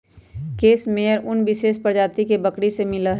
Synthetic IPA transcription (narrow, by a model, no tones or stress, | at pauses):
keːsmejəɾʔʊnbɪʃeːʃpɾd͡ʒaːt̪ikebəkɽisemɪlaɦ